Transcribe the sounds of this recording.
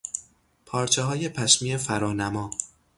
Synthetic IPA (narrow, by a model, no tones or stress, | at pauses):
pʰɒːɾt͡ʃʰeɦɒːje̞pʰæʃmiːefæɾɒːnæmɒː